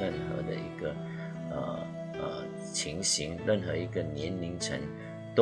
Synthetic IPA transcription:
ə˥˩nxɤ̰˧˥d̪ə̰˧i˧˥ɡə˧ | ə̰˧ | ə̰˨˩ | t͡ɕʰi˧˥ŋɕi˧˥ŋɻə˥˩nxɤ˧˥i˧˥ɡə˧njɛ˧˥nli˧˥ŋʈ͡ʂʰə˧˥ŋ | t̪o

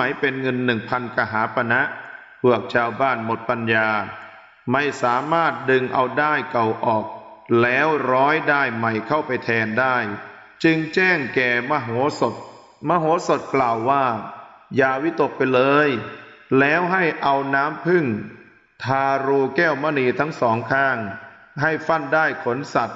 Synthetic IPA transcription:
a˩˦jpe˧nŋɤ˧nːɯ˨˩ŋpʰa˧nka˧˩ɦaː˩˦pʰa˧na˦˥ʔ | pʰu˧˩ək̚t͡ɕʰaː˧wbaː˥˩nmo˨˩t̪̚pa˧njaː˧ | ma˥˩jsaː˩˦maː˥˩t̪̚dɯ˧ŋʔa̰˧wdaː˥˩jka˨˩wʔɔː˨˩k̚lɛː˦˥wɾɔː˦˥jdaː˥˩jma˨˩jkʰa˥˩wpa˧jt̪ʰɛː˧ndaː˥˩j | t͡ɕɯ˧ŋt͡ɕɛː˥˩ŋkɛː˨˩ma˧˩ɦo˩˦so˨˩t̪̚ | ma˧˥ɦoː˨˩˦so˨˩t̪̚klaː˨˩wːaː˥˩ | jaː˧wi˦˥t̪o˨˩k̚pa˧jlɤː˧jlɛː˦˥wɦa˥˩jʔa˧wnaː˦˥mpʰɯ˥˩ŋ | t̪ʰaː˧ɾuː˧kɛː˥˩wmaː˧˥˩niː˧t̪ʰa˦˥ŋsɔː˩˦ŋkʰaː˥˩ŋ | ɦa˥˩jfa˥˩ndaː˥˩jkʰo˩˦nsa˨˩t̪̚

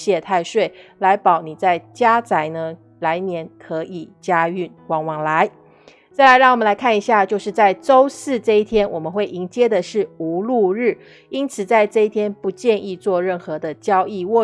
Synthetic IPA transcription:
ɕjɛ˥˧t̪ʰa˥˧ɪʂwe˥˩ɪla˧˥ɪpɑ˨˩ʊni˨˩t͡sa˥˩ɪt͡ɕja˥t͡sa˧˥ɪnə˧ | la˧˥ɪnjɛ˧˥nkʰɤ˧˥ʔi˨˩t͡ɕja˥y˥˩nkwɑ˧˥ŋwɑ˧˥ŋla˧˦ɪ | t͡sa˥˩ɪla˧ɪɻɑ˥˩ŋwmə˦la˧˥ɪkʰa˥˩ni˧˥ɕja˥˧t͡ɕjo˥˧ʊʂɻ̩˥˧t͡sa˥˩ɪʈ͡ʂo˥ʊsɹ̩˥˧ʈ͡ʂɤ˥˧i˥˩t̪ʰjɛ˥nwɔ˨˩mə˦nxwe˥˩ɪʔi˧˥ŋt͡ɕjɛ˥d̪ə˨ʂɻ̩˥˩u˧˥lu˥˧ɻ̩˥˩ | i˥nt͡sʰɹ̩˨˩t͡sa˥˧ɪʈ͡ʂɤ˥˧i˥t̪ʰjɛ˥npu˧˥t͡ɕjɛ˥˧ni˥˧t͡swɔ˥˧ɻə˥˩nxɤ˧˦d̪ə˧t͡ɕjɑ˥ʊi˥˧wɔ˥˩

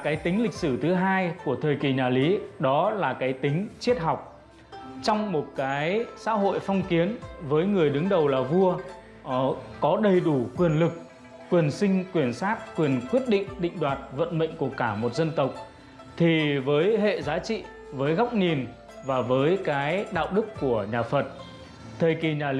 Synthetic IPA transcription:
kaː˨˦jt̪ï˨˦ŋ̟lï˨˩k̟̚sɨ˧˩t̪ʰɨ˨˦ɦaː˧jku˧˩ət̪ʰəː˨˩jki˨˩ɲaː˨˩li˨˦ɗɔ˨˦laː˨˩kaː˨˦jt̪ï˨˦ŋ̟t͡ɕi˦˥ət̚ɦa˨˩wk͡p̚ | t͡ɕɔ˧wŋ͡mmo˨˩t̚kaː˨˦jsa̰ː˧˥ɦo̰˧˨jfɔ˧wŋ͡mki˨˦ənvəː˨˦jŋɨ˨˩əjɗɨ˨˦ŋɗə˨˩wlaː˨˩vu˧ə | kɔ˨˦ɗə˨˩jɗu˧˩kwi˨˩ənlɨ˨˩k̚ː | wi˨˩ənsï˧ŋ̟kwi˨˩ənsaː˦˥t̚kwi˨˩ənkwi˦˥ət̚ɗḭ̈˧˨ŋ̟ɗḭ˧˨ŋ̟ɗwaː˨˩t̚və̰˧˨nɓə̰˧˨ŋ̟ku˧˩əkaː˧˩mo˨˩t̚zə˧nt̪ə˨˩wk͡p̚ | t̪ʰi˨˩vəː˨˦jɦḛ˧˨zaː˨˦t͡ɕḭ˧˨ | vəː˨˦jɣa˦˥k͡p̚ɲi˨˩n | vaː˨˩vəː˨˦jkaː˨˦jɗa̰ː˧˨wɗɨ˦˥kːu˧˩əɲaː˨˩fə˨˩t̚ | t̪ʰəː˨˩jki˨˩ɲaː˨˩

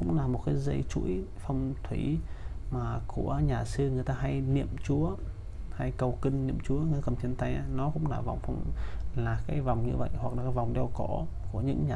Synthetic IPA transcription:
kʊ̰˧˥ŋ͡mlaː˨˩mo˨˩t̚kaː˨˦jzə˧jt͡ɕṵ˧˥əjfa˧wŋ͡mt̪ʰwi˧˩˦maː˨˩ku˧˩əɲaː˨˩sɨ˧ŋɨ˨˩əjt̪aː˧ɦa˧jnḭ˧˨əmt͡ɕu˨˦ə | ha˧jkə˨˩wki˧ŋːḭ˧˨əmt͡ɕu˨˦əŋɨ˨˩t̪aː˧ə˨˩mt͡ɕ̪ʰi˨˧˩ənt̪a˧jʔa˨˧˦nɔ˨˦kʊ̰˧˥ŋ͡mlaː˨˩va˨˩wŋ͡mfa˧wŋ͡mlaː˨˩kaː˨˦jva˨˩wŋ͡mɲɨ̰˧və̰˧˨jwa˨˩k̚laː˨˩kaː˨˦va˨˩wŋ͡mɗɛ˧wkɔ˧˩ | ku˧˩əɲɨ̰˧˥ŋɲaː˨

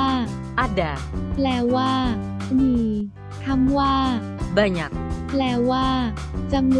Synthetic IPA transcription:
ʔa˧˥da˨˩ | plɛː˧˩waː˥˩ | niː˧˩ | t̪ʰa˧˥˩mwaː˥˩ | ba˧˩ɲa˨˩k̚plɛː˧˩waː˥˩ | t͡ɕa˧m

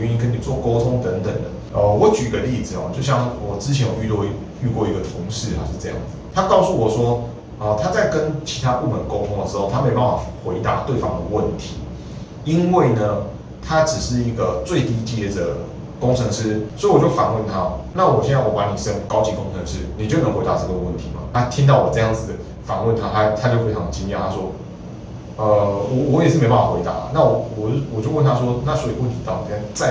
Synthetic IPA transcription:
ɛ˧˦i˥˦kʰə˧˥ni˨˩t͡swɔ˥˩ko˥ʊt̪ʰʊ˦ŋt̪ə˧˥nt̪ə˨˩ŋd̪ə̰˩˦ | ə˧wɔ˨˦t͡ɕy˨i˦˥ɡə˧li˥˨d͡zɹ̩˨˩a̰˨t͡ɕjo˥˧ʊɕ̬jɑ˥˩ŋwɔ˨˩t͡sɻ̩˥t͡ɕʰjɛ˧˥nwɔ˨˩y˥˧t̪wɔ˥˧ | y˥˧kwɔ˥˧˩i˧˥ɡə˨t̪ʰʊ˧˦˥ŋʂɻ̩˥˩a̰˧˩ʂ̩˥˧t͡sɤ˥˧jɑ̰˥˩ŋd͡z̩˩t̪ʰa˦kɑ˥˧ʊsu˥˩wɔ˨˩ʂwɔ˦˥ | ə˨˩t̪ʰa˥t͡sa˥˩ɪkə˦nt͡ɕʰi˧˥t̪ʰa˦˥pu˥˩mə˨˦nko˥ʊt̪ʰʊ˥˦ŋd̪ə˨ʂɻ̩˧˦xo˥˧ʊa˥me˧˥pa˥n˩fa˨˩xwe˧˥ɪt̪a̰˧˥˦t̪we˥˩ɪfɑ˥ŋd̪ə˨˩wə˥˩nt̪ʰi˨˦ | i˦nwe˥˩ɪnə˩ | t̪ʰa˦ʈ͡ʂɻ̩˨˩ʂɻ̩˥˩i˧˥ɡə˨t͡swe˥˧ɪt̪i˥t͡ɕɛ˥˩də˩ | kʊ˥ŋʈ͡ʂʰə˧˥ŋʂɻ̩˥swɔ˧˥i˨wɔ˨˩t͡ɕo˥˩ʊfa̰˨˩˦nwə˥˨nt̪ʰa˦na˥˨wɔ˨˩ɕjɛ˥˧na˥˩wɔ˨˦˩pa˧˦ni˨˩ʂə˦ŋkɑ˥ʊt͡ɕi˧˨˥ko˥ŋʈ͡ʂʰə˧˦ŋʂɻ̩˥ni˨˩t͡ɕo˥˩ʊnə˧˥ŋxwe˧˥ɪt̪a̰˧ʈ͡ʂɤ˥˩ɡə˩wə˥˩nt̪ʰi˨˦mɐ̰˨˩na˥˧t̪ʰi˦˥ŋt̪ɑ˥˩ʊwɔ˨˩t͡sɤ˥˧jɑ˥˩ŋd͡z | fa˨˩nwə˥˨nt̪ʰa˥t̪ʰa˥t̪ʰa˦t͡ɕjo˥˧ʊxwe˧˥ɪɑ˧˩ŋə˨t͡ɕi˥njɛ˧˨˩t̪ʰa˥swɔ˥ | ə˧wɔ˨˩wɔ˧˦jɛ˨˩ʂɻ̩˥˩e˧ɪpa˥˩wa˧xwe˧ɪt̪a̰˨˧˦lɐ̰˨na˥˩wɔ˨˩wɔ˨wɔ˨˩t͡ɕjo˥˧wə˥˨nt̪ʰa˥swɔ˥na˥˨swɔ˧˥i˨˩wə˥˨nt̪ʰi˨˥t̪ɑ˥˩ʊni˨˩a˥˧t͡sa˥˧

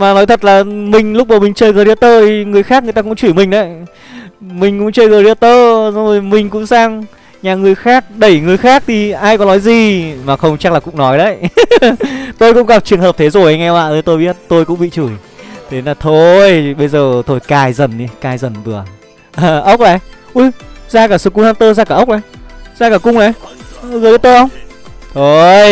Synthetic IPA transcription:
maː˨˩nɔ˨˦jt̪ʰə˨˩t̚laː˨˩mï˨˩ŋ̟lʊ˦˥k͡p̚maː˨˩wmï˨˩ŋ̟t͡ɕəː˧jɣəː˧˩ɾi˧ət̪əː˧t̪ʰi˨˩ŋɨ˨˩əjxaː˦˥kŋɨ˨˩əjtaː˧kʊ̰˧˥ŋ͡mt͡ɕu˧˩jmï˨˩ŋ̟ɗə˨˦j | mï˨˩ŋ̟kʊ̰˧˥ŋ͡mt͡ɕəː˧jɣəː˨˧˩ɾi˧˩ət̪əː˧zɔ˧zo˧˨˩jmï˨˩ŋ̟kʊ̰˧˥ŋ͡msaː˧ŋ | ɲaː˨˩ŋɨ˨˩əjxaː˦˥k̚ɗə˧˩jŋɨ˨˩əjxaː˦˥k̚t̪ʰi˨˩ʔaː˧jkɔ˨˦nɔ˨˦jzi˨˩maː˨˩xə˧wŋ͡mt͡ɕa˦˥klaː˨˩kʊ̰˧˥ŋ͡mnɔ˨˦jɗə˨˦j | t̪o˧jkʊ̰˧˥ŋ͡mɣa˨˩p̚t͡ɕɨ˨˩əŋɦəː˨˩t̪ʰe˨˦zo˨˩jə˧˦jŋɛ˧ma̰ː˧˨ʔəː˨˦t̪o˧jɓi˦˥ət̚t̪o˧jkʊ̰˧˥ŋ͡mɓḭ˧˨t͡ɕu˧˩j | t̪ʰe˨˦naː˨˩t̪ʰo˧jɓə˧jzəː˨˩t̪ʰo˧jkaː˧˩jzə˨˩ni˨˦kaː˧˩jzə˨˩nvɨ˨˩ə | ʔəː˧ʔə˦˥wk͡p̚la˨˩˦ | ʔu˧zaː˧kaː˧˩sɨ˧˩ku˧haː˧t̪əː˧zaː˧kaː˧˩˨ʔə˦˥wk͡p̚ʔa˨˦jzaː˧kaː˧˩kʊ˧ŋ͡mna˨˦˧ɣɓt̪əː˧ʔə˧wŋ͡m | t̪ʰo˧j

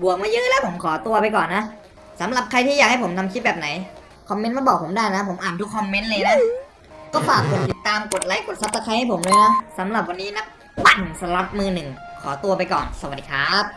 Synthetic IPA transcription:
bu˨˩ək̚maː˧˥˩jɯː˦˥lɛː˦˥wpʰo˩˦mkʰɔː˩˦t̪u˧ɐpa˧jkɔː˨˩nːa˦˥ | sa˩˦mɾa˨˩p̚kʰa˧jt̪ʰiː˥˩aː˨˩k̚ha˥˩jpʰo˩˦mt̪ʰa˧mt͡ɕ̪̚ʰbɛː˨˩p̚na˩˦j | kʰɔ˧mːe˦˥nmaː˧˥˩bɔː˨˩k̚pʰo˩˦mdaː˥˩jna˦˥pʰo˩˦mʔaː˨˩nt̪ʰu˦˥kʰːɔ˧mːe˦˥nlɤː˧jna˧˥ | kɔː˥˩faː˨˩kːo˨˩t̪̚t̪i˨˩t̪ːaː˧mko˨˩t̪̚la˨˦˥jko˨˩t̪̚sa˧˥psa˧kʰa˧jha˥˩jpʰo˩˦mlɤː˧jnɛ˦˥sa˩˦mɾa˨˩p̚wa˧nːiː˦˥na˦˥p̚ | wa˧˩nsa˧˥la˦˥t̪̚mɯː˧nɯ˨˩ŋ | kʰɔː˩˦t̪u˧ɐpa˧jkɔ̰ː˨˩nsa˧waː˨˩iː˨˧kʰaː˦˥p̚

